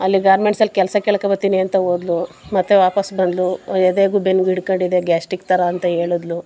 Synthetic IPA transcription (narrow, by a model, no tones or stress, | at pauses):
ɐlːiɡaːɾmeɳʈsɐlkɛlsɐkeːɭɐkɐbɐɾt̪iniɐnt̪ɐoːd̪lu | mɐt̪ːeʋaːpɐsbɐnd̪lued̪eːɡuːbenːɡiɽkoɳɖid̪e̞ɡaːsʈik̚t̪ɐɾɐːnt̪ɐɦe̞ːɭud̪lu